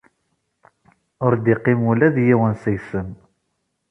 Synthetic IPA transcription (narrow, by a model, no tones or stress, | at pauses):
ʊɾd̪iqːɪmulæðjiwənsəjsəm